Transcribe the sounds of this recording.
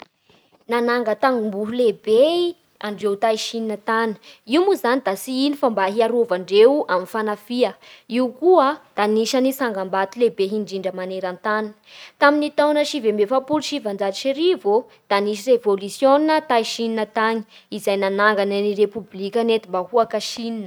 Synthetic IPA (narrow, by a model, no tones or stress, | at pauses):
nanaŋɡət̪aŋɡumbuɦulebe | aɳɖ͡ʐewt̪ajʃininət̪anə̥iumuzanid̪asiinifambaɦiaɾovaɳɖ͡ʐewaminfanafiəiuwkuəd̪̥aniʃanisaŋɡambat̪ilebeɦiɳɖ͡ʐiɳɖ͡ʐəmaneɾant̪ani | t̪aminit̪awnəʃivembefapuluʃivand͡ʒaiʃiɾivo | d̪̥aniʃirevolusjoninət̪aiʃininət̪aɲi̥izajnanaŋɡananiɾepublikʲənet̪imbahuakaʃininə